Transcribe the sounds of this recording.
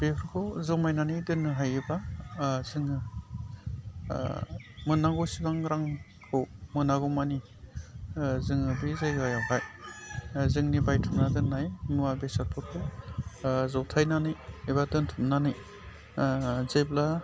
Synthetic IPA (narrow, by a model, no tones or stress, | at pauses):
b̥epʰɯɾkʰozɯwmajnanɯjdɯnɯɦajibazɯŋɯ | mɯnːaŋɡɔsibaŋɾaŋ | pʰɯwmɯnaɡɔmani | zɯŋɯbizejajawɦaj | zɯŋnibajtʰɯmnadɯnːajnuabesaɾpʰɔɾkʰo | zɔwtʰajnanɯjibadɯntʰɯmnanɯj | zejbla